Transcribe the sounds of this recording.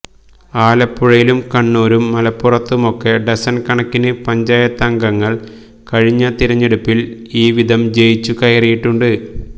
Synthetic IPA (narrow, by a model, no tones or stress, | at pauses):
aːlɐpːuɻɐjilumkɐɳːuːɾumːɐlɐpːurɐt̪ːumo̞kːe̞ɖesɐnkɐɳɐkːinɨpɐɲd͡ʑaːjɐt̪ːɐŋɡɐŋːɐɭ | kɐɻiɲːɐt̪iɾɐɲːe̞ɽupːil | iːʋid̪ʱɐmd͡ʑe̞jit͡ɕːukɐjɐrijiʈːuɳɖɨ